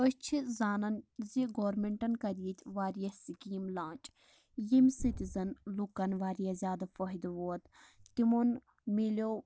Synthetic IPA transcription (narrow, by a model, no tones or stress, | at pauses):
ət͡ʃʰizaːnɐnziɡoːɾmeɳʈɐnkɐɾiːt̪ʰʋaːɾijɐsikiːmlãːnt͡ʃ | jimsit̪izɐnlukːɐnʋaːɾijazʲjaːd̪ɐfoɦid̪ʋoːt̪ | t̪imon | miloː